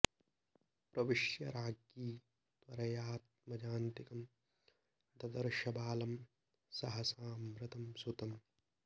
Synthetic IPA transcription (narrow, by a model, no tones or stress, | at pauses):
pɾɐʋɪʃjɐɾʔaːɡjiː | t̪wɐɾɐjaːt̪̚mɐd͡ʒaːnt̪ikɐm | d̪ɐd̪ɐɾʃɐbaːlɐm | sɐɦɐsaːmɾɪt̪ɐmsut̪ɐm